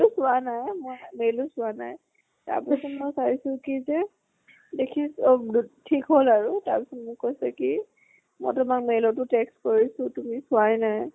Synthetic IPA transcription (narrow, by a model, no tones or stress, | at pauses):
ʊsʊanajmojmelʊsʊana̰j | ta̰ɹpisɔtmɔjsaɹisʊkizɛ | dekʰistʰikɦolaɹuta̰ɹpisɔtmʊkojsɛki | mɔ̰jtʊmakmejlɔtʊtekstkoɹisʊtumisʊajnaj